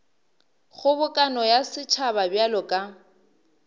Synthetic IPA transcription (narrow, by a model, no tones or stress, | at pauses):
χʊbʊkʼanɔjasɪt͡ʃʰababjalɔkʼa